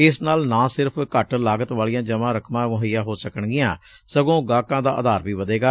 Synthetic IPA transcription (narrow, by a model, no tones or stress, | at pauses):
ɪsnaːlnãːsɪɾpʰkəʈlaːɡət̪ʋaːɭijãːd͡ʒəmãːɾəkʰmãːmʊɦəjãːɦoːsəkəɳɡɪjãː | səɡõːɡaːkãːd̪a̰ːʔəd̪aːɾʋiːʋəd̪eːɡaː